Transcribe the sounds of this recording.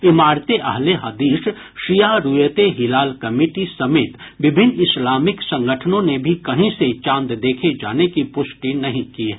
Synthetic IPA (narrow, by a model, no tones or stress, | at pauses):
ɪmaːɾt̪eʔɐ̰ɦleɦɐd̪iːʃ | ʃijaɾujət̪eɦɪlaːlkɐmiːʈisɐmeːt̪bɪbʱɪnːɪslaːmɪksɐ̃ŋɡəʈʰənõnebʱikɐɦĩset͡ʃãːnd̪d̪eːkʰed͡ʒa̰ːnekipʊʃʈinɐɦĩkiːɛ